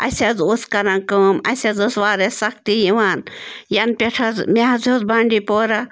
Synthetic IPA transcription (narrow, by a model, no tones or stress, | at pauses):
ɐ̰sʲɐzoskɐɾɐnkəmɐ̰sʲɐzosʋaːɾesɐkʰt̪ijiʋaːnjɐnpʲeʈʰɐzmeɦɐzoːzbaːɳɖipoːɾɐ